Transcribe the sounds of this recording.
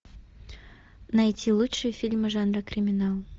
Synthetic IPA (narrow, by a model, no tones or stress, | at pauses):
nɐjtʲilˠutʂɨjəfʲilʲmɨʐanɾəkɾʲɪmʲɪnalˠ